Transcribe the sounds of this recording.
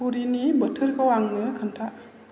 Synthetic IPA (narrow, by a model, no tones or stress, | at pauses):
uɾinibətʰɯɾkʰawaŋnɯkʰɯntʰaʔ